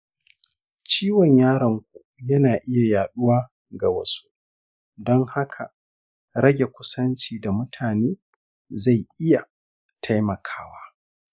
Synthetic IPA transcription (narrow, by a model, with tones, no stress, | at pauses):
t͡ʃiː˦wɔ˨ɲjaː˦ɾɐ˨ŋkʷu˨jɐ˦naː˨ʔɪ˦ja˨jaː˨ɗʊ˦waː˦ | ɡa˨wɐ̰˦su̥˦ | dɔ˦ŋha˦kʰa˨ | ɾɐ˦ɡʲe˨kʷʊ˦sɐ˦nt͡ʃiː˨da˨mʊ˦tʰaː˨neː˦ | za˦˨jʔɪ˦ja˨ | tʰa˦jmɐ˨kʰaː˦waː˦